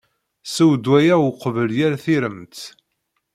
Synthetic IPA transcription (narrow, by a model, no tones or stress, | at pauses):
səwd̪wæjæwqvəljæɾθiɾəmt̪